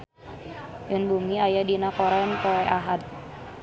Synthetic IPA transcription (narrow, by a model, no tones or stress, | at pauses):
jənbumiajadinakoɾɛnkoɛʔaɦat̪̚